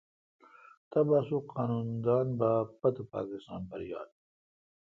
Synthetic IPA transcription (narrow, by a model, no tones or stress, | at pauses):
t̪ɐbaːsuqaːnuːnd̪aːnbaːpɐt̪upa̰ːkist̪ɑ̰ːnbɐɾja̰ːd̪̚